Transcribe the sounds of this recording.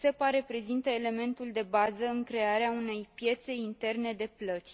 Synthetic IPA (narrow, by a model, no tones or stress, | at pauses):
sepaɾe̞pɾe̞zint̪əele̞me̞nt̪uld̪e̞bazəɨŋkɾe̞aɾeaune̞jpje̞t̪se̞int̪e̞rne̞d̪e̞plət̪sʲ